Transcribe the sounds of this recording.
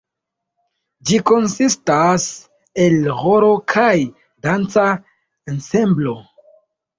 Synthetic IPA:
d͡ʒiko̞nsistas | e̞lʁoɾo̞kʰaj | dant͡sa | ense̞mblo̞

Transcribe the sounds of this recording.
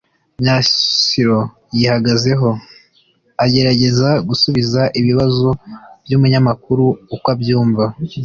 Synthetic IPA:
mɲasiɾo̞ | jihaɡaze̞ɦo̞ | aɟe̞ɾaɟe̞zaɡusuβizaʔiβiβazo̞bjumuɲamakuɾuːkwabjuːɱva

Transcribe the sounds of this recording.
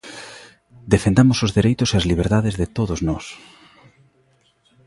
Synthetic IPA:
d̪efend̪amʊsozðeɾejt̪ʊseazliβ̞eɾðaðezðet̪oðoznɔs

